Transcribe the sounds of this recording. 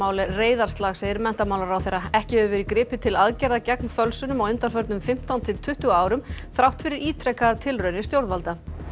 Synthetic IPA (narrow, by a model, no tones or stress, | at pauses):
aːwlɛreːjðaɾ̥st̪laɣsejðɪɾmɛn̥t̪amaːwlaɾawθejɾːaɛhcɪʏːvʏɾikɾɪːpɪt̪ʰɪlaðcɛɾðacɛknfœlsʏnʏmawʏnt̪aɾfœɾt̪nʏmfɪm̥t̪awnt̪ʰɪlt̪ʰʏht̪ʏaːwɾʏmθɾawht̪fɪɾɪɾiːt̪ʰɾɛkːaɾt̪ʰɪlrœːɥnɪst̪jowɾðvalt̪a